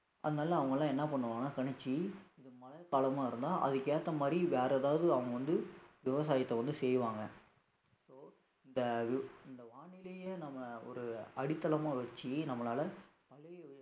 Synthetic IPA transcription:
ʔɐ̰ðɯnaːlɐːʋɐŋɡɐlãːɛnːɐpɐɳːɯʋaːɡɐnaːkɐɳɛt͡ʃːiɪðɯmɐlɐkaːlɐmaːɪɾɯnd̪aːʔɐ̰ðɯkeːt̪ːɐmaːd̪ɾiʋeːɾɐðaːʋɐðɯɐʋɐŋɡɐʋɐnd̪ɯʋɪʋɐs̬aːjɐt̪ːɐʋɐnd̪ɯsɛjʋaːŋɡɐ | soː | ɪnd̪ɐʋɪɪnd̪ɐʋaːɳɪleːjeːnɐmːɐɔ̰ɾɯɐɽɪt̪ːɐlɐmaːʋɛt͡ʃːɯnɐmːɐlaːlɐpɐlɪ

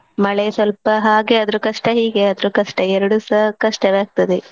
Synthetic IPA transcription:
mɐɭesʋɐlpɐɦaːɡeɐd̪ɐɾukɐʂʈɐɦiːɡeɐd̪ɾukɐʂʈɐɛɾɐɽusɐkɐʂʈɐʋeaːɡ̚t̪ɐd̪e

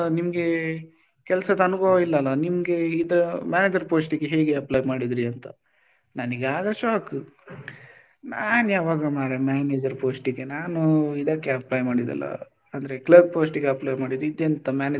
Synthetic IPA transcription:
nimɐɡe̞ | kɛlsɐd̪ɐɐnubɐʋɐilːɐlːɐnimɐɡe̞id̪ɐmjaːneːd͡ʒɐɾpoːsʈiɡeɦeːɡeɐplɐjmaːɽid̪ɾiɐnt̪ɐ̰ | nɐniɡaːɡɐʃaːk | naːnujaːʋaːɡɐmaːɾemaːneːd͡ʒɐɾpoːsʈiɡenaːnuid̪ɐkːeɐplɐjmaːɽid̪ɐ̰lːɐ̰ | ɐnd̪ɐɾeklɐɡ̚poːsʈiɡeɐplɐjmaːɽid̪uid̪ent̪ɐmjaːneː

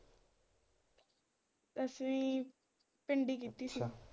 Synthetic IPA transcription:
əsi | peɳɖik̬it̪isi

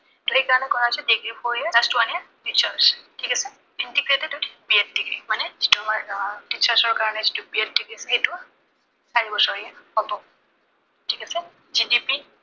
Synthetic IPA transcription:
tuɹikaɹɔnɛkɔɹasɛdiɡɹipʰɔɹijɛzastwanija | tit͡ʃaɹstʰikasɛ | intiɡɹetɛdɔdbiɛt̚diɡɹḭmanɛz̥ituamaɹtisaɹsɔɹkaɹɔnɛzitubiɛt̚diɡɹisɛxetʊa | saɹibɔsɔɹijɛxɔtɔ | tʰikasɛ | zidipi

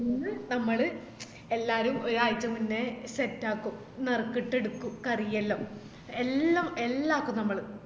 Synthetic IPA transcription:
ninːɨnɐmːɐɭɨ | e̞lːaːɾumoɾaːjit͡ɕːɐmunːesetːaːkːum | nerkːiʈːe̞ɽukːumkɐrijɐlːo | elːɐmelːaːkːumnɐmːɐɭɨ

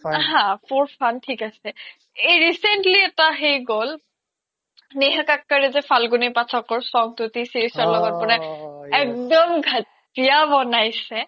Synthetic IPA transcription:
ɦãpʰoɹpʰantʰikasɛ | ejɹisɛntliɛtaɦejɡol | neɦakakːaɹɛzɛpʰalɡunipatʰɔkɔɹsɔŋtʊtisiɹisɔlɔɡɔt̚pɔɹɛɛk̚dɔmɡʱat | ijabɔnajsɛ

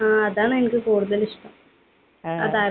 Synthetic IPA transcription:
aːɐðaːnenɐkːɨkuːɽɐðɐlɪʂʈɐm | ɐ̰ðaː

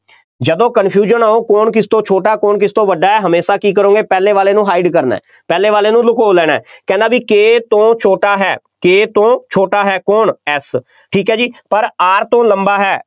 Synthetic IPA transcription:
d͡ʒəd̪õːkənpʰjuːd͡ʒənaːoːkoːɳk̬ɪst̪õːt͡ʃʰoːʈaːkoːɳkɪst̪õːʋəɖaːɦɛːɦəmeːsaːkiːkəɾõːŋɡeːpɛːleːʋaːleːnũːɦaːɪɖkəɾna̰ː | pɛːleːʋaːleːnũːlʊkoːlɛːɽ̃aɛːkɛ̃ːnd̪aːbiːkeːt̪õːt͡ʃʰoːʈaːɦɛː | keːt̪õːt͡ʃʰoːʈaːɦɛːkoːɳɛs | ʈʰiːkɦɛːd͡ʒiːpəɾaːɾt̪õːləmbaːɦɛː

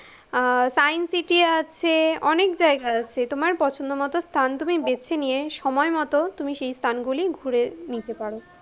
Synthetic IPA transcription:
sajnsiʈiat͡ɕʰeɔnekd͡ʑaeɡaat͡ɕʰet̪omaɾpɔt͡ɕʰond̪omɔt̪ost̪ʰant̪umibet͡ɕʰenijeʃɔmɔemɔt̪ot̪umiʃejst̪ʰanɡuliɡʱuɾenit̪epaɽo

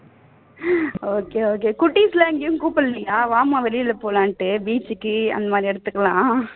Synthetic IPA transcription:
oːkeːoːkeːkʊʈːislɐːŋɡejʊ̃kuːpːɐlːɐjaːʋaːmãːʋɛlɪjɪlɐpoːlãːɳʈːɯbiːt͡ʃːɯkːɯɐ̰nd̪ɐmaːd̪ɾiɛɽɯt̪ːɯkːɐlãː

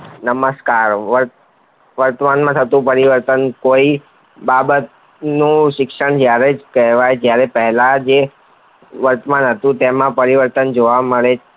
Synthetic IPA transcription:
nəməskaɾʋəɾ | ʋəɾt̪əmanmãt̪ʰət̪ũpəɾiʋəɾt̪ənkoi | babət̪̚ | nũʃɪkʃəɳd͡ʒjaɾed͡ʒkɛɦʋajd͡ʒjaɾɛpɛɦlad͡ʒe | ʋəɾt̪əmanɦət̪ũt̪emãpəɾiʋəɾt̪ənd͡ʒoʋaməɭe

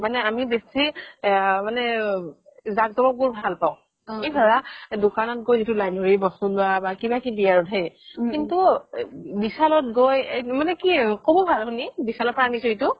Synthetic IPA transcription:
manɛamibesi | manɛ | zak̚zɔbɔɡuɹbʱalpaʊ̃ | ibɔɹadokanɔt̚ɡojzitulajnoɹibɔstulʊabakibakibijaɹɔtɦejkintu | bisalɔt̚ɡojemanɛkikʰobɔbʱalɦʊnibisalɔpaanisɔitʊ

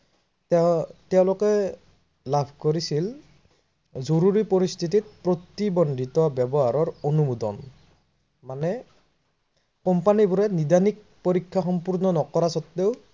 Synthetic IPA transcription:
tɛʊ̃lɔkɛ | labʱkoɹisil | zoɾuɹipɔɾist̪ʰitit̚pɹot̪ibɔndʱitɔbjɔbɔɦaɹɔɹonumud̪ɔ̰n | manɛ | kɔmpanibuɾɛnidanik̚poɹikʰːaxɔmpuɹnɔnɔkɔɹasɔtːeʊ

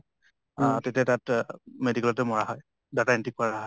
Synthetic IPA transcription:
ãtetiatatmedikɛlɔtɛmɔɹaɦɔj | dataintik̚pɔɹaɦɔj

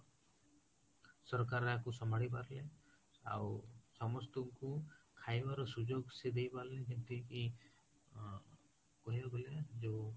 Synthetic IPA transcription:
sɔɾkaɾeakusɔmaɽip̬aɾle | a̰wsɔmɔst̪ɔkukʰajbaɾɔsud͡ʒoɡsed̪ejpaɾled͡ʒint̪iki | kɔɦibaɡɔled͡ʒe

